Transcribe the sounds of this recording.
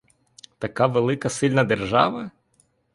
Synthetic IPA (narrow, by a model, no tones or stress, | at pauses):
t̪ɐkaʋelˠɪkɐsɪlʲnɐd̪erʒɑ̰ʋɐ